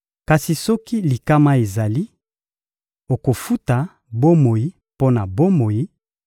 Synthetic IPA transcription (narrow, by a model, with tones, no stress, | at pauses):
ka˨si˨sɔ˦ki˦li˨ka˦ma˦e˨za˨li˦ | o˨ko˨fu˦ta˨ | bo˦mo˨ji˦ | po˦na˨bo˦mo˨ji˦